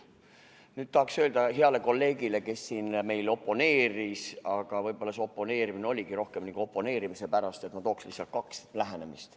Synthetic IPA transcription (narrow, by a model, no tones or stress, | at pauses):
nyːd̪̥̚t̪ɑhɑksø̞ːld̪ɑɦeɑle̞ko̞lːe̞ːɡ̥ile̞ke̞sːiːnme̞jlo̞pːˑo̞ne̞ːɾisɑɡ̥ɑvɤjb̥o̞lːɑso̞pːˑo̞ne̞ːɾimineo̞lʲiɡ̥iɾo̞hkemniːɡ̥uo̞pːˑo̞ne̞ːɾimise̞pæɾɑst̪e̞t̪mɑt̪o̞ːkslḭhsːɑlt̪̚kɑkslæɦene̞mist̪